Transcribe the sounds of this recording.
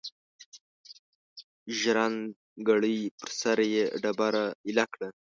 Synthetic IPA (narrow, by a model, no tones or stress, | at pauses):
ʒɾan | ɡaɽəjpəɾsaɾjeɖabaɾaɪlakɽa